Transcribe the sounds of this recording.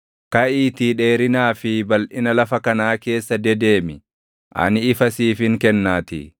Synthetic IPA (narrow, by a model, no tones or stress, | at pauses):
kɐʔiːt̪iᶑe̞ːɾɪnaːfɪbɐlʔɪnɐlɐfɐkɐnaːke̞ːsːɐd̪ɛd̪e̞ːmɪ | ʔɐ̰nɪːfɐsiːfhɪŋkɛnːaːt̪ɪ̰